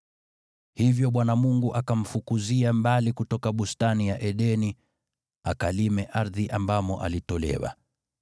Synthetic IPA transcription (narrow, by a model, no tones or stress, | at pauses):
hivjɔɓwanamuŋɡuʔakam̩fukuziambalikutɔkaɓustanijaʔɛɗɛni | akalimɛʔaɾðiʔambamɔʔa̰litɔlɛ̰wa̰